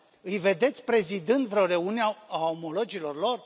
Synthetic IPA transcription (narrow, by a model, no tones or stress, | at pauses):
ɨjve̞d̪e̞t̪sʲpɾe̞zid̪ɨnd̪vɾeoɾe̞uneaaomolod͡ʒilo̞rlo̞r